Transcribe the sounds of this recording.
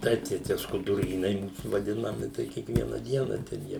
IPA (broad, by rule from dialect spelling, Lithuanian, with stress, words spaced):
ˈtɐɪp tɐɪ ˈtʲiɛ skʊdʊˈrʲiːnɐɪ ˈmuːs ʋɐˈdʲɪnɐmʲɪ tɐɪ ˈkʲiɛkʋʲiɛnɐ ˈdʲiɛnɐ tʲɛn ˈjiɛ